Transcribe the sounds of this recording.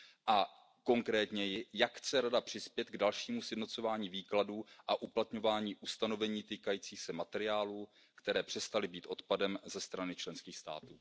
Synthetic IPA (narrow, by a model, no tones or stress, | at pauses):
ʔa | ko̞ŋkɾɛːt̪ɲɛjɪjakxt͡sɛɾadapr̝̥ɪspjɛt̪ɡdalʃiːmusjɛdnot͡so̞vaːɲiːviːkladuːʔaʔuplat̪ɲo̞vaːɲiːʔust̪ano̞vɛɲiːt̪iːkajiːt͡siːxsɛmat̪ɛɾɪaːluː | kt̪ɛɾɛːpr̝̥ɛst̪alɪbiːt̪ʔo̞t̪padɛmzɛst̪ɾanɪt͡ʃlɛnskiːxst̪a̰ːt̪uː